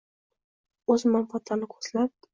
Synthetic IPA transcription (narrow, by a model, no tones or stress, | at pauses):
ɵzmanfat̪ʰlanɪkʰo̥slap̚